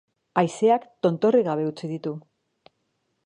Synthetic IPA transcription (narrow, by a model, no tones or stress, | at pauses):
ajse̞akt̪o̞nt̪o̞riɣaβ̞e̞ut͡siðit̪u